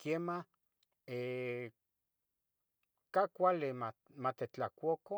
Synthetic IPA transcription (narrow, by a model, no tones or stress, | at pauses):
kema | e | kakʷalemamat̪et͡ɬakʷoko